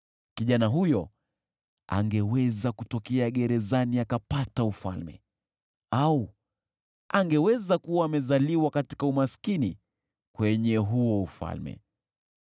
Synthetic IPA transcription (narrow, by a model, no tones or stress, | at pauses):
kiʄanaɦujɔ | a̰ŋɡɛwɛzakutɔkɛaɠɛɾɛzaniakapataufa̰lmɛ̰ | au | aŋɡɛwɛzakuwaːmɛzaliwakati̥kaumaskini | kwɛɲɛɦuɔufa̰lmɛ̰